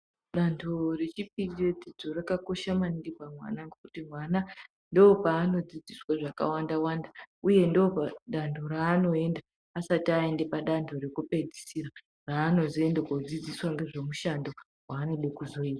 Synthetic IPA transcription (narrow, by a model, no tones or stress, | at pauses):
ɗantʰore̞t͡ʃip̚ied͡zid͡zorakako̞ʃamaniɡipamwa̰naŋɡokutimwana | ndo̞ːpaːno̞d͡zid͡ziswaʐaka̰wandawandauje̞ndoopaɗandʰʱo̞ɾaːno̞e̞ndaː | satiae̞ndepaɗantʰo̞ɾekupe̞d͡zisiɾa | raːno̞zie̞ndekod͡zid͡ziswaŋɡe̞ʐe̞muʃando | waːno̞ɗekuzo̞iːtḁ